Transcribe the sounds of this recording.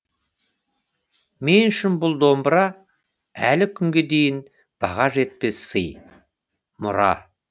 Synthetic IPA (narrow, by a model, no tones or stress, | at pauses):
me̞nʃɪnbʊlˠd̪o̞mbɾɑ | ælɪkʲʰʏŋɡʲe̞d̪e̞jɪn | b̥ɑʁɑʒe̞t̪̚pe̞sːəj | mʊ̰ɾɑ̰